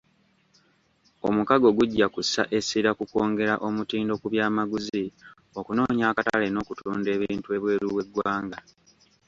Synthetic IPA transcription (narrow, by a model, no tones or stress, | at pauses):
o̞mukaɡo̞ɡuɟːakusːa̰ʔe̞siɾakuko̞ːŋɡe̞ɾaʔo̞mutiːndo̞kuβjaːmaɡuzi | okuno̞ːɲaːkata̰leno̞ːkutuːnde̞ːβiːntuwe̞ːβwe̞ːluwe̞ɡwaːŋɡa